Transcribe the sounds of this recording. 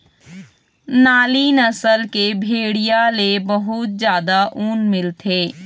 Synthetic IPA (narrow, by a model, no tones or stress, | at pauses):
naːlinəsəlkebʱeːɽijalebəɦʊt̪̚d͡ʒjaːd̪aʔuːnmɪlt̪ʰeː